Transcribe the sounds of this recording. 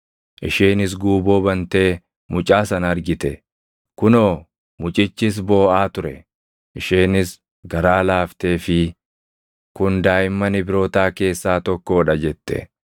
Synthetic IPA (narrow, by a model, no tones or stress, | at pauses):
ʔɪʃeːnɪs̬ɡuːbo̞ːbɐnt̪e̞ː | mʊt͡ʃʼaːsɐnɐɾɡɪt̪ɛ | kʊnoː | mʊt͡ʃʼɪt͡ʃːɪs̬bo̞ːʔaːt̪ʊɾɛ | ʔɪʃeːnɪs | ɡɐɾaːlaːft̪eːfɪ | kʊnd̪aːjɪmːɐnɪbɪɾo̞ːt̪aːke̞ːsːaːt̪ɔkːo̞ːᶑɐd͡ʒɛt̪ːɛ̰